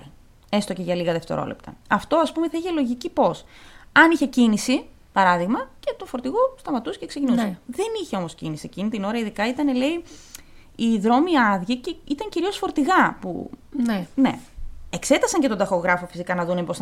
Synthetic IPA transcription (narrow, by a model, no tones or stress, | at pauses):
e̞st̪oce̞ʝɐliɣɐðe̞ft̪e̞̰ɾo̞̰lept̪ɐ̰ɐft̪o̞ɐspume̞θɐiçelo̞ʝicipo̞sɐniçe̞cinisi | pɐɾɐðiɣmɐce̞t̪ofo̞ɾt̪iɣost̪ɐmɐt̪use̥ceksecinuseðe̞niçe̞o̞mo̞scinisiecinit̪ino̞ɾɐiðikɐit̪ɐne̞le̞i | iðɾo̞miɐðʝiceit̪ɐɲciɾio̞sfo̞ɾt̪iɣɐpṵnne̞̰e̞kse̞t̪ɐsɐɲce̞t̪od̪ɐxo̞ɣɾɐfo̞fi̥sikɐnɐðunepo̞s